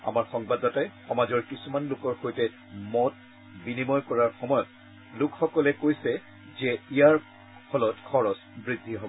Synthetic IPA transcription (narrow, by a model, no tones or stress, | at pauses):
a̰maɹxɔŋbadɔtajxɔmazɔɹkisumanlʊkɔɹxojtɛ | mɔt | binimɔjkɔɹaɹxɔmɔjɔt̚ | lʊkxɔkɔlɛkojsɛ | zɛijaɹ | pʰɔlɔtkʰɔɹɔsbɹidʱːiɦɔbɔ